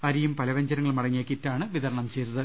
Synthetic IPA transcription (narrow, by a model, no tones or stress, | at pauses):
ɐɾijumpɐlɐʋɐɲd͡ʑɐɾɐŋːɐɭmɐɽɐŋːijɐkitːaːɳɨʋiðɐɾɐɳɐmt͡ɕe̞jt̪ːɐðɨ